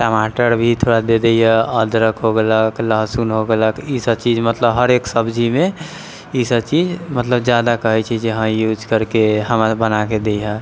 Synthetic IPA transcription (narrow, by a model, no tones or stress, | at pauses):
ʈamaʈəɾbʱit̪ʰoɽad̪ed̪eiɦɛəd̪ɾəkɦoɡeləkləɦsunɦoɡeləkisəbt͡ʃid͡ʒmət̪ləbɦəɾeksəbd͡ʒʱimẽ | isəbt͡ʃid͡ʒmət̪ləbd͡ʒjad̪akəɦɛt͡ʃʰɛd͡ʒeɦə̃jud͡ʒkəɾkeɦəmbənaked̪ejɦə̃